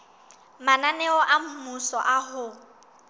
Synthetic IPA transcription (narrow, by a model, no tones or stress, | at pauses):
mananɛɔʔam̩musɔʔaɦʊ